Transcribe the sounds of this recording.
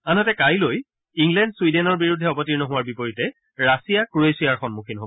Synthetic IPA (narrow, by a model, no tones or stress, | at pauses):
anɦɔtɛkajloj | iŋɡlɛndswidɛnɔɹbiɹudʱːɛɔpɔtiɹnɔɦʊwaɹbipoɹitɛ | ɹasijakɹuesijaɹxɔnmukʰinɦobɔ